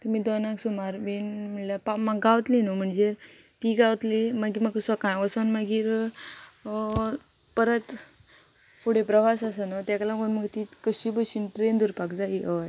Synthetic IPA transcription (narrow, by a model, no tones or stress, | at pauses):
t̪əmiːd̪onãksumaɾʋenmiɭljapamaɡːaʋt̪linɔm̤əɳd͡ze | t̪iːɡaʋt̪limaɡiməɡsəkãjʋəsənməɡiːɾ | pəɾət̪ | fʰoɽepɾəʋasəsənɔt̪jakalaɡounməɡt̪iːkəɕiːbəɕiːnʈɾend̪uɾpakd͡zaɦiʔəʋaj